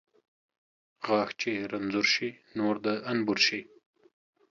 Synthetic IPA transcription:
ɣɑːxt͡ʃeɾanzʊɾʃinoɾd̪əanbʊɾʃi

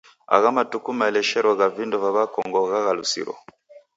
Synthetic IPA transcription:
a̰ɣamatukumaɛlɛʃɛɾwɔɣavindɔvaβakɔŋɡɔɣaɣalṵsḭɾɔ̰

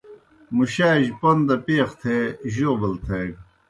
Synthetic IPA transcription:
muɕaːʑpɐnd̪ɐpeːxt̪ʰeːʑoːbɐlt̪ʰeːɡ

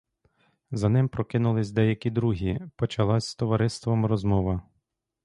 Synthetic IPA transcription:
zɐnɪmpɾɔkɪnʊlˠɪsʲd̪ɛjɐkʲid̪ɾuɦʲipɔt͡ʃɐlˠɑsʲst̪ɔʋɐɾɪst̪ʋɔmɾɔzmɔʋɐ

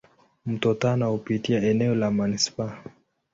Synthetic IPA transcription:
m̩tɔtanahupitiaɛnɛɔlamanispa

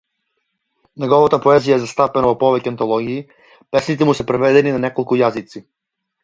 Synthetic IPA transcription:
nɛɡɔvat̪apɔɛzijaɛzast̪apɛnavɔpɔvɛcɛant̪ɔlˠɔɡiː | pɛsnit̪ɛmusɛpɾɛvɛd̪ɛninanɛkɔlˠkujazit̪si

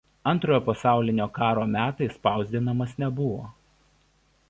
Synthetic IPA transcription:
ɐnˑt̪ɾoːjoːpɐsɑˑʊlʲɪnʲoːkɑːɾoːmʲæːt̪ɐɪspɑˑʊzʲd̪ʲɪnɐmɐsnʲɛbʊʋo̰ː

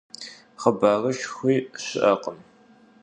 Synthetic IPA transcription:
χɐbaːrɐʃxʷiːɕɪʔɐqəm

